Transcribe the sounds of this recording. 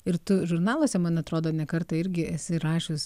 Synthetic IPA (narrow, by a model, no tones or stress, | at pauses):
ɪɾt̪ʊʒʊɾnɑːlˠuɔsʲɛmɐnɐt̪ɾoːd̪oːnʲɛkɐɾt̪ɐɪɾʲɡʲɪʔɛsʲɪɾɑːʃʲʊs